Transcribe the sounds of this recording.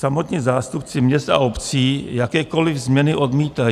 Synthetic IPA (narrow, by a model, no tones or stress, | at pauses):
samo̞t̪ɲizaːst̪upt͡sɪmɲɛst̪a̰ʔo̞pt͡siːjakɛːko̞lɪvzmɲɛnɪʔo̞d̪miːt̪aj